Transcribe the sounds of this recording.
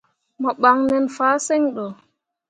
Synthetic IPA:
mɔɓaŋnɛnfaːsɛɲɗɔ

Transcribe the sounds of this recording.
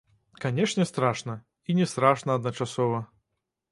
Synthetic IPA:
kanʲɛʂnʲɛst̪ɾaʂnɐ | inʲɛst̪ɾaʂnɐɐd̪nɐt͡ʂasɔvɐ

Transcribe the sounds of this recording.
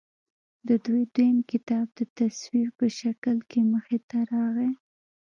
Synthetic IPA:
d̪əd̪ujd̪wojəmkɪt̪ɑb̚d̪ət̪aswiɾpəʃakəlkeməxɪt̪aɾɑɣe

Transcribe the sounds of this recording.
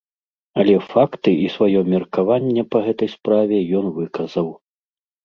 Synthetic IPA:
ɐlʲɛfakt̪ɨʔisvajɔmʲɛrkavanʲːɛpɐɣɛt̪ɐjspɾavʲɛjɔnvɨkɐzɐw

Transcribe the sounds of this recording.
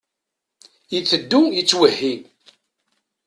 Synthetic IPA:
jəθːəd̪ːujət͡sːwəhːi

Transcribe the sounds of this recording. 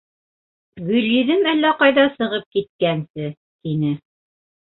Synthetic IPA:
wɵlʲjiðɘmælːæqɑjðɑsɤ̆ʁɤp̚kit̪̚kænsɘ | t̪inɘ

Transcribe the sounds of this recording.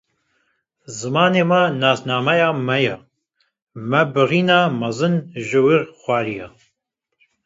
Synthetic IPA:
zɨmɑːneːmanaːsnaːmɛjaːmɛjɛ | mɛbɨʁiːnɑːmɐzɨnʒɨwirxʷaːɾijɛ

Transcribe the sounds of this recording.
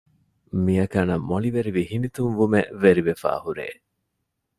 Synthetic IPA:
miɐkɐnɐmːoliʋeɾiʋihinit̪unʋumeʋeɾiʋefæ̰ːhuɾḛː

